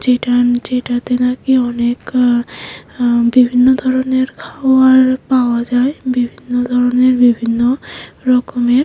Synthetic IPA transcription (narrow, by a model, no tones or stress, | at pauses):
d͡ʒeʈad͡ʒejʈat̪enakiɔnek | bibʱinːɔd̪ʱɔɹɔneɹkʰawaɹpawad͡ʒajbibʱinːɔd̪ʱɔɹɔneɹbibʱinːɔɹɔkɔmeɾ